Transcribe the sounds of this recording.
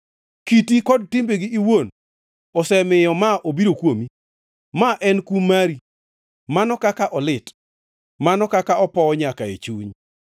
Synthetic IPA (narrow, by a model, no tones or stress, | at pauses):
kitikɔd̚tɪmbeɡiːwon | ɔsɛmɪjɔmaʔobiɾokwomi | maʔɛnkumaɾi | manɔkakaʔɔlɪt | manɔkakaɔpɔɲakaet͡ʃuɲ